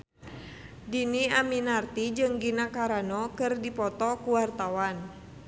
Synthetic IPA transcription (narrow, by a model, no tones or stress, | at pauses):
diniaminart̪id͡ʒɨŋɡinakaɾanɔkɨrdipɔt̪ɔkuwart̪awan